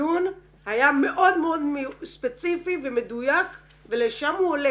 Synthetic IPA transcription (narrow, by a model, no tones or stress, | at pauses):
un | hajame̞ʔo̞d̪meod̪mspet͡sifiveme̞d̪ujak | veleʃamhuole